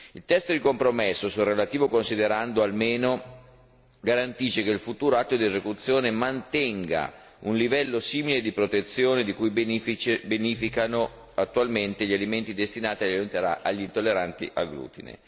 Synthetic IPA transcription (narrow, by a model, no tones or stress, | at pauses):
ilt̪ɛst̪od̪ikompɾomesːosulrːelat̪iːvokonsid̪eɾand̪oalmeːno | ɡaɾant̪iːt͡ʃekeilfut̪uːɾoat̪ːod̪iezekut̪sːjoːnemant̪ɛŋɡa̰ | unlivɛlːosiːmiled̪ipɾot̪et̪sːjoːned̪ikuj | benifikano | at̪ːualment̪eʎialiment̪id̪est̪inaːt̪iaʎut̪aaʎːint̪olːeɾant̪ḭʔaɡɾṵːt̪ḭnḛ